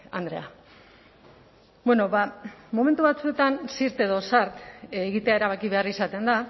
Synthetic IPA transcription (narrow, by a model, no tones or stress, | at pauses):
a̰nd̪ɾe̞a | bwe̞no̞βamoment̪̬uβat͡sue̞t̪ansiɾt̪e̞ðo̞saɾt̪ːɣit̪e̞aeɾaβ̞akiβe̞arisat̪e̞nd̪a